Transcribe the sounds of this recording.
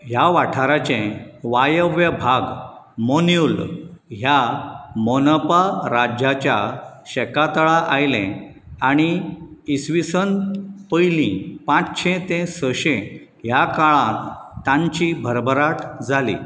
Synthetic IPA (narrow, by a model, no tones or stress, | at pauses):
ɦjaʋaʈʰaɾat͡ɕẽʋajəʋjəbʱaɡ | monjulɦjamɔnəpaɾad͡ʑat͡ɕjaɕɛkat̪əɭaʔajlḛ̃ | aɽ̃iisʋisənpəjlĩpãt͡st͡ɕʰẽt̪ẽsəɕẽ | ɦjakaɭãt̪ːãɲt͡ɕibʱəɾbʱəɾaʈʰd͡zʱalḭ